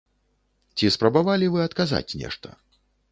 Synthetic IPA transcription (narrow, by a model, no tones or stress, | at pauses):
t͡sʲispɾɐbavalʲivɨɐt̪kaza̰t͡sʲnʲɛ̰ʂt̪ɐ̰